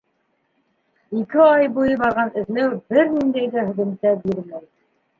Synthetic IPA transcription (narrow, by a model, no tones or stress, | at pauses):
ikɘɑjbujɤβɑɾʁɑnɘ̆ðlæwbɘɾnind̪æjðæhɵ̆ðɘ̆mt̪æbiɾmæj